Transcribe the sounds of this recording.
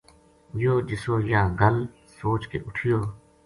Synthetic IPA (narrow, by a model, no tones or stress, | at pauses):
joːd͡ʒɪsoːjãːɡəl | soːt͡ʃkḛːʔʊʈʰijoː